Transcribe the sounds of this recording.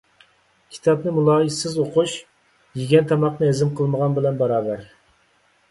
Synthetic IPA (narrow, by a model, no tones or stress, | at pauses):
kʲʰi̥t̪ʰɑp̚nɨmulˠɑːjisɪzoquʃ | jiɡʲɛnt̪ʰɑmɑqnɨezɪmqʰəlˠməʁɑnbɪlɛnbɑɾɑːbæɾ